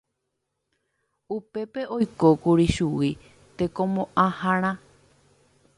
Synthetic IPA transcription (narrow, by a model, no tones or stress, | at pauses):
upe̞peʔo̞jko̞kuɾiʃuwi | t̪e̞kõmõʔãhãɾ̃ã